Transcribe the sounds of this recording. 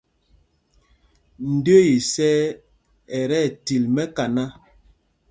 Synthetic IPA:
n̩˨do˦ji˨sɛ˦ | ɛ˨ɾɛ˦˨ti˨lmɛ˦ka˨na˦

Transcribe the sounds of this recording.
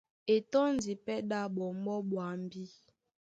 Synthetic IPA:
e˨tɔ˦n˨di˨pɛ˦ɗa˦ɓɔ˨m̩˦bɔ˦ɓwa˨m̩˦˨bi˦

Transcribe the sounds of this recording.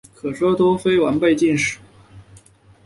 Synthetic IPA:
kʰɤ˨˩ʂwɔ˥t̪o˥ʊfe˥ɪwa˧˥npe˥˧ɪt͡ɕi˥˩nʂɻ̩˨˩˦

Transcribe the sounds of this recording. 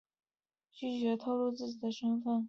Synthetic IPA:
t͡ɕy˥˩t͡ɕɥɛ˧˥t̪ʰo˥˧ʊlu˥˧t͡sɹ̩˥˩t͡ɕi˨˩d̪ə˦ʂə˥nfə˥˩n

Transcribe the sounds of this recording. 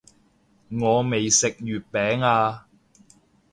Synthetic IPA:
ŋɔː˨˧me˨jsɪ˨k̚jyː˨˩t̚pɛː˨˥ŋaː˧

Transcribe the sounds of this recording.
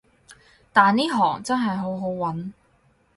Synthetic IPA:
t̪aː˨niː˥ɦɔ̰ː˨˩ŋt͡sɐ˥nɦɐ˨jɦo˨˥wɦo˨˥wwɐ˨˥n

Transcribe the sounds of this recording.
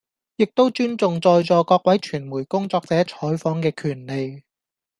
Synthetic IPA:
jɪ˨k̚t̪o˥wt͡ʃyː˥nt͡sʊ˨ŋt͡sɔː˧jt͡ʃɔː˨kɔː˧k̚wɐ˨˥jt͡ʃʰyː˨˩nmuː˨˩jkʊ˥ŋt͡sɔː˧k̚t͡sɛː˨˥t͡ʃʰɔː˨˥jfɔː˨˥ŋkɛː˧kʰyː˨˩nle˨j

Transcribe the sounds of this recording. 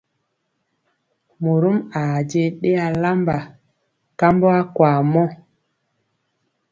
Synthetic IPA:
mu˨ɾu˦ma˨d͡ʒe˦ɗe˦a˨la˦mba˨ | ka˦mbo˦a˦kwaː˨mɔ˦

